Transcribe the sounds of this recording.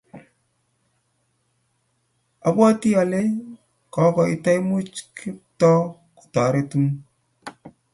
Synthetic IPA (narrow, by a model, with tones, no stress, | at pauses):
a˨bwa˦ti˦a˨le˦ | kɔ˨˦kɔ˨i˦ta˦jmu˦t͡ʃkʰi˦p̚tɔ˦ | ku̥˨ta˨˦ɾe˦tu˦ŋ